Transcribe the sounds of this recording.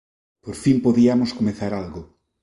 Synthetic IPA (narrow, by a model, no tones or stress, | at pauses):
poɾfimpoðiamoskomeθaɾalɣʊ